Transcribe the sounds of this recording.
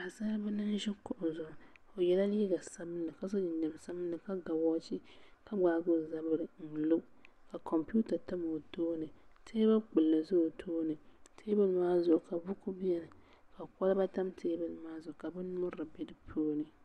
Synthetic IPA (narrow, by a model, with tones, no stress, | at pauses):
a˨sa˦bɛ˦nɨ˦n˦ʒɛ˦kɔ˨ʔʊ˨zʊ˨ʔʊ˨ | o˨jɛ˨la˦liː˦ɡa˨sa˦bɨ˦nːɨ˨ka˦sa˦ɲɪ˨nda˨m˨sa˦bɨ˦nːɨ˨ka˦ɡa˨wɔː˦t͡ʃi˦ka˦ɡ͡baː˨ɡʊ˦za˦bɨ˦ɾɨ˨n̩˨lʊ˦ | ka˨kʰɔ˨mpu˦ta˨ta˦mo˨toː˦nɨ˨tʰeː˦ba˦k͡pɨ˨lːɨ˨zʊ˦˨tʰoː˦nɨ˨tʰe˦bɨ˦lmaː˦zʊ˨ʔʊ˨ka˨bʊ˦kʊ˦bi˦ɛ˨nɨ˨ | ka˨kɔ˦lɨ˦ba˦ta˦mtʰeː˦bɨ˦lmaː˦zʊ˨ʊ˨ka˨bɛ˦n˦mʊ˦ɾa˨bɛ˦dɨ˦pʰoː˦nɨ˨